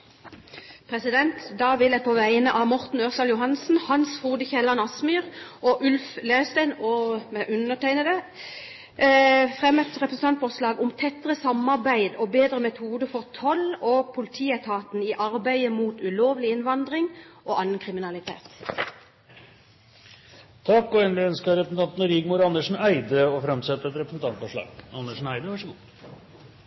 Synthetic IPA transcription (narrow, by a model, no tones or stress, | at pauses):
pʰʁɛsɪd̪ɛnt̪d̪ɑːʋɪlæpʰoːʋæɪnəʔɑːmɔʁt̪n̩øːʁsɑːljʊɦɑnsn̩hɑnsfuːd̪əçɛlɑnɑsmyːʁʔɔʔʉlfleːst̪æɪnɔːmɛʔʉnəʈæɪnəd̪ə | fʁɛmət̪ʁɛpʁəsn̩t̪ɑnt̪fɔʁslɑːɡʊmt̪ʰɛt̪əʁəsɑmɑʁbæɪd̪oːbeːd̪ʁəmɛt̪ʰuːd̪əfɔʁt̪ʰɔlɔpʰʊlɪt̪ʰiːɛt̪ʰɑːt̪niʔɑɾbæɪəmuːt̪ʉloːʋlɪɪnʋɑnd̪ʁɪŋʔoːʔɑnənkʰʁɪmɪnɑlɪt̪ʰḛːt̪ | t̪ʰɑkːɔɛnlɪœnskəɾɛpsn̩t̪ɑnt̪nɾɪɡmʊɾɑnːəʂn̩æɪd̪əɔfɾɛmsɛt̪ːəɾɛt̪ɾɛpɾəsn̩t̪ʰɑnt̪fɔʂlɑ̰ːɡɑnːəʂn̩æɪd̪əʋɑʂəɡu